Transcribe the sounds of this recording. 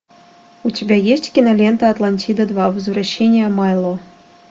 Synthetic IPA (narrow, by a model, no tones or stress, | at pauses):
utʲibʲæjesʲtʲkʲinalʲent̪aːt̪lˠanʲtʲid̪əd̪vɑvɨzvraɕːenʲɪjəmɑjlˠo